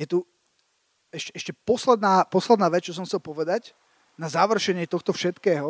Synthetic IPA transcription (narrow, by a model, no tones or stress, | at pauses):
jɛt̪u | ɛʃɛɛʃcɛpɔslɛd̪naːpɔslɛd̪naːʋɛt͡st͡ʃɔs̬ɔmxt͡sɛlpɔʋɛd̪ac | nazaʋr̩ʃɛɲɪɛt̪ɔxt̪ɔfʃɛt̪kɛːɦɔ